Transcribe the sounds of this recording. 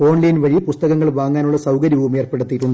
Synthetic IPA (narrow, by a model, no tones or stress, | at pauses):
o̞ːnlɐjnʋɐɻipust̪ɐɣɐŋːɐɭʋaːŋːaːnuɭːɐsɐwkɐɾjiʋumeːrpe̞ɽut̪ːiʈːuɳɖɨ